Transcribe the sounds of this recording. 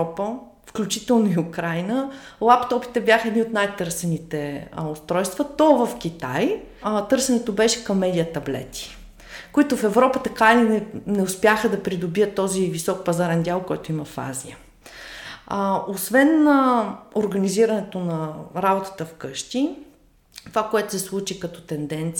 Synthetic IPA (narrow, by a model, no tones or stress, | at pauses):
ɔpə | fklʲut͡ʃit̪ɛlˠnoiʊkɾajnəlˠapt̪ɔpi̥t̪ɛbjaxəɛd̪niot̪najt̪ɤɾsɛnit̪ɛʊst̪ɾɔjst̪vət̪ɔvɐfk̟ʲit̪aj | t̪ɤɾsɛnɛt̪obɛʃɛ̥kɐmːɛd̪ʲijət̪ɐblɛ̰t̪i̥ | koit̪ʊfɛvɾɔpət̪ɐkainɛnɛʊspʲjaxəd̪ɐpɾid̪obijət̪ːɔzivisɔk̚pɐzaɾɛnd̪ʲjalˠkɔɛt̪ʊimɐfa̰ziə | osvɛn | oɾɡɐniziɾɐnɛt̪onɐɾabot̪ə̥t̪əfkɤʃt̪i | t̪ovakoɛt̪ʊ̥sɛslˠut͡ʃikɐt̪ɔ̥t̪ɛnd̪ɛnt̪s